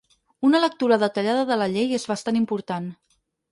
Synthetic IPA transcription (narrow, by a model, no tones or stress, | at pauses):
unələk̚t̪uɾəðət̪əʎaðəðələʎejezβəst̪animpuɾt̪an